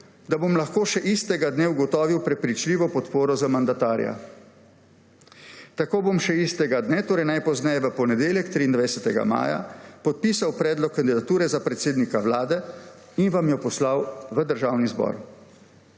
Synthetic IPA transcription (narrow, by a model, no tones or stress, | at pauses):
d̪abomlaxkoːʃɛʔist̪ɛɡad̪neːuɡɔt̪ɔːʋiwpɾɛpɾit͡ʃliːʋɔpɔt̪poːɾɔzamand̪at̪aːɾja̰ | t̪akoːbomʃɛist̪ɛɡad̪nɛt̪oːɾɛjnajpɔznɛjɛʋəpɔnɛd̪eːljɛkt̪ɾiːnd̪ʋajsɛt̪ɛɡa̰ma̰ːja̰pɔt̪̚piːsawpɾɛːd̪lɔkːand̪id̪at̪uːɾɛzapɾɛt̪seːd̪nikawlaːd̪ɛ | inʋamjɔpɔslawʋəd̪əɾʒawnizbɔ̰ːɾ